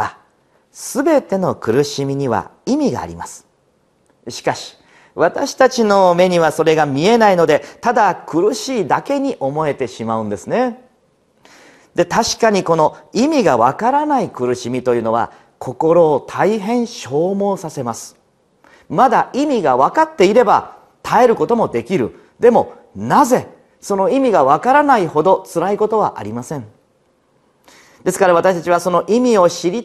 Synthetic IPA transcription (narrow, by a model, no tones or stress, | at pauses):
a | sɨbe̞t̪e̞no̞kɯ̟ɾɯ̟ɕimʲiɲ̟iβa̰imʲiɡa̰ːɾʲḭma̰sɨ̥ | ɕi̥kaɕi̥ | βat̪aɕi̥t̪at͡ɕino̞me̞ɲ̟iβaso̞ɾe̞ɡamʲie̞naino̞d̪e̞t̪ad̪akɯ̟ɾɯ̟ɕiːd̪ake̞ɲ̟iʔo̞mo̞e̞t̪e̞ɕimaɯ̟̃nd̪e̞sɨne̞ | d̪e̞t̪aɕi̥kaɲ̟iko̞no̞imʲiɡaβakaɾanaikɯ̟ɾɯ̟ɕimʲit̪o̞jɯ̟no̞β̞a̰ | kʰo̞ko̞ɾo̞ːt̪ʰaiɦẽ̞ɰ̃ɕo̞ːmo̞ːsase̞masɨ̥ | mad̪aʔimʲiɡaβ̞akat̪ːe̞iɾe̞ba | t̪ʰae̞ɾɯ̟ko̞t̪o̞mo̞d̪e̞kʲiɾɯ̟̰ | d̪e̞mo̞ | naze̞ | so̞no̞imʲiɡaβ̞akaɾanaiho̞d̪o̞t͡sɨɾaiko̞t̪o̞β̞a̰ʔa̰ɾʲimasẽ̞ɴ | d̪̥e̞sɨ̥kaɾaβ̞at̪aɕi̥t̪at͡ɕiβ̞aso̞no̞ʔimʲio̞ɕiɾʲi